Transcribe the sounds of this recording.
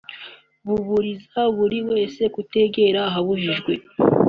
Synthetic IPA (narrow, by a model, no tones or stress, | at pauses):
βuβuɾizaβuɾiwe̞ːse̞kute̞ɡe̞ɾaːɦaβuʒiʒɡwe̞